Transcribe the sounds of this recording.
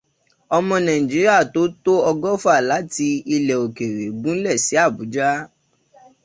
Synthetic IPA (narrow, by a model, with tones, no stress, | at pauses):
ɔ˧mɔ̃˧nã˨ĩ˨d͡ʒi˨˦ɾi˦a˦˨to˨˦to˦ɔ˧ɡɔ˦fa˦˨la˨˦ti˧i˧lɛ˨o˨ke˨ɾe˨ɡ͡bũ˦n̩˦lɛ˦˨si˨˦a˦˨bu˨˦d͡ʒa˦